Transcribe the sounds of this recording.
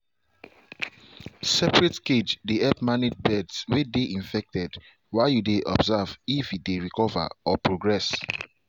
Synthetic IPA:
sɛpɹɛtked͡ʒdeʔɛpmaned̚bɛdswedeʔĩɱfɛk̚tɛd | waɪjudeʔɔ̰bzavifit̚deɹikɔva̰ɔpɹoɡɹɛs

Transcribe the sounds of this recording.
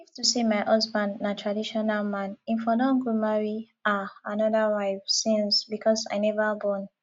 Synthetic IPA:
iftusimaɪʔʌsbãndnatʰɹadiʃɔnalˠmãnĩnfɔlɔ̃ŋɡumaɹi | aanɔðəwaɪfsĩnsbikʰɔsa̰ɪnɛvəbɔ̃n

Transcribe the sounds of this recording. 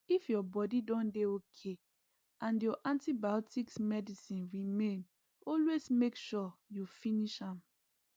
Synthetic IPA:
ifjɔbɔdidɔ̃ndeokʰe | ʔãnjɔʔãntibaɔtiksmɛdisĩnɹimẽn | ɔlwesmekʃɔjufĩniʃãm

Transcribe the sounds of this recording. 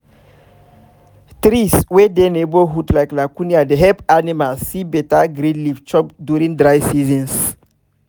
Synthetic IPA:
tɾiswedeneboɦutlajklakũniadeɦɛpanimalsːibɛtaɡɾĩnlift͡ʃɔpdjuɾĩŋdɾajsizɔ̃ns

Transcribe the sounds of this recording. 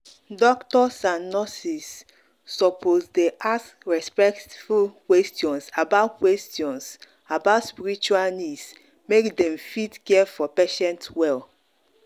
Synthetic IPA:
dɔktɔsãnnɔsisː | ɔpozdeʔas | ɹɛspɛktfulkwɛstiɔ̃nsabaʊtkwɛstiɔ̃ns | abaʊtspiɾit͡ʃualnis | mekdɛ̃mfitkɛfɔpeʃɛ̃ntwɛl

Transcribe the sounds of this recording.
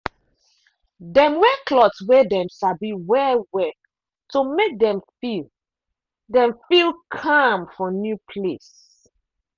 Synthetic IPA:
dɛ̃mwɛkʰlɔtswɛdɛ̃mʃabiwɛwɛk | tomek̚dɛ̃mfil | dɛ̃mfilkʰamfɔ̃njupʰles

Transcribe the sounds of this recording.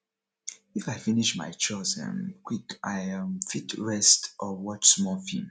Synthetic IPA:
ifaɪfiniʃma̰ɪt͡ʃɔsã̰mkwika̰ɪ̃mfitʰɹɛstʔɔwɔt͡ʃsmɔfḭ̃m

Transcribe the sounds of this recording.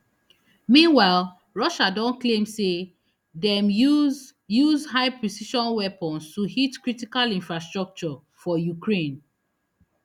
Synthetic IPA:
mĩnwaɪl | ɹɔʃadɔ̃nklẽmse | dɛ̃m | juzhaɪpɹisiʃɔ̃nwɛpɔ̃nstuhitkɹitikalĩnfɹastɹɔk̚t͡ʃɔ | fɔjukɹẽn

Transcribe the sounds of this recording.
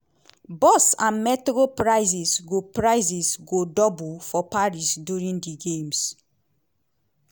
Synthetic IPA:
bɔsãnmɛtikopɹaɪsisɡopɹaɪzisɡodɔbufɔpaɹisdjuɹĩndiɡẽms

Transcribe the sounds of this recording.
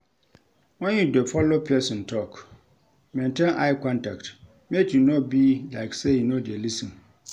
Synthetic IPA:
wɔ̃njidɛfɔlopʰɛsɪ̃ntʰɔk | mɛ̃ntʰɛ̃nʔaɪkʰɔ̃ntʰakt | metʰinɔ̃bilaksɛjinõdɪɛlisĩn

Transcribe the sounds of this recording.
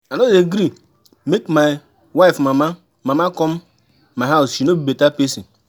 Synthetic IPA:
anozeɡɾi | mekma | wafmama | mamakɔmː | aausʃinobibetapesi

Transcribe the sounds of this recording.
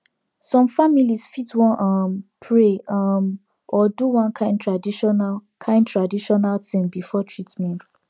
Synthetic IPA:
sɔ̃mfamilisfitwɔ̃nʔʌmpʰɹeʌm | ɔduwãnkʰãɪ̃n̚tʰɹadiʃɔnakʰãɪ̃ndtɹadiʃɔnaltĩmbifɔtʰɹitmɛ̃nt

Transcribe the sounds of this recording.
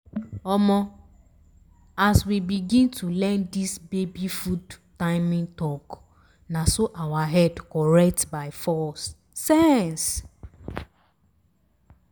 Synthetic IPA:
ɔmɔ | aswibiɡĩntʰulɛ̃ndisbebifudtaɪmĩŋtɔk | nasoʔawaɦɛdkɔɹɛk̚tbaɪfɔsː | ɛns

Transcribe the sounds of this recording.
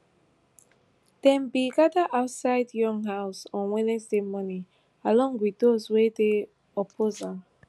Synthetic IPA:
d̥ɛ̃mbiɡadaʔaʊtsaɪdjɔ̃ŋɦaʊsɔ̃nwɛ̃nɛsdemɔni | alɔ̃ŋɡwiddozwede | ɔpʰoza

